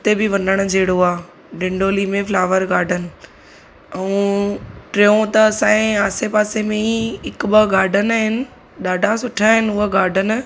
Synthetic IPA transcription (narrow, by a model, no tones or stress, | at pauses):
ʊt̪ebɪʋɐnəɽ̃d͡ʑʱeːɽ̤oaː | ɖɪ̃ɳɖoːliːmẽflaːʋəɾɡaːɖʱənɪ̆ | ɛ̃ | ʈɾeːõt̪ɐːsãːẽaːsepaːsemẽiɦɪkɓɐɡaːɖʱənaɦɪnɪ̆ | ɗaːɖʱasʊʈʰaɦɪnɪ̆ʊɦəɡʱaːɖʱən̆